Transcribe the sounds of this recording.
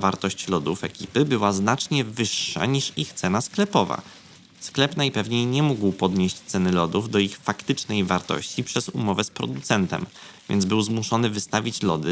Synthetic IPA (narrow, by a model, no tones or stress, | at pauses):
vaɾt̪ɔɕt͡ɕlɔd̪ufɛkʲipɘbɘwaznat͡ʂɲɛvɘʂːa̰ɲiʂixt̪sɛnasklɛpɔva̰ | sklɛpnajpɛvɲejɲɛmuɡwpɔd̪ɲeɕt͡ɕt̪sɛnɘlɔd̪uvd̪ɔixfakt̪ɘt͡ʂnɛjvaɾt̪ɔ̰ɕt͡ɕipʂɛzṵmɔvɛspɾɔ̰d̪ut̪sɛnt̪ɛ̰mvʲjɛ̰nzbɘwzmuʂɔnɘvɘst̪avʲit͡ɕlɔd̪ɘ